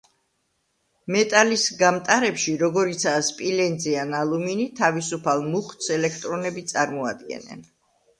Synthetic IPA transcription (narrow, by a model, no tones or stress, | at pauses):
mɛt̪ʼalisɡamt̪ʼaɾɛpʃiɾɔɡɔɾit̪sʰaspʼilɛnd̪zianalˠuminit̪ʰavisupʰalˠmuχt̪sɛlɛk̚ʰt̪ʼɾɔnɛbit̪sʼaɾmɔad̪ɡɛ̰nɛ̰n